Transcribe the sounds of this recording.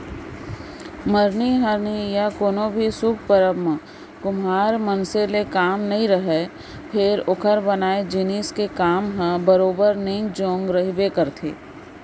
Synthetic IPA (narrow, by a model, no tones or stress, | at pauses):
məɾniɦəɾnijakoːnõbʱisʊk̚ʰpəɾəmə | kʊmaːɾmənselekaːmnɐɦĩɾəɦe | pʰɪɾʊkʰəɾbənaːed͡ʒiniːskekaːmɦə̃bəɾoːbəɾnẽĩd͡ʒõːŋɡɾəɦibekəɾt̪ʰḛː